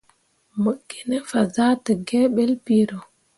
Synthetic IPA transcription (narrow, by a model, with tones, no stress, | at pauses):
mə˦ɡːi˨nɛ˦fa˨za˦tə˨ɡɛ˦ɓɛ˦lpiɾɔ˨